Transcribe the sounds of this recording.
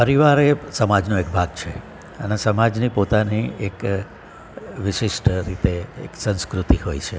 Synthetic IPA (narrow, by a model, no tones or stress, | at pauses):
pəɾiʋaɾesəmad͡ʒnoekbʱaɡt͡ʃʰe | ənesəmad͡ʒnipot̪aniek | ʋɪʃɪʃʈɾit̪eḛksə̃ñskɾut̪ihojt͡ʃʰe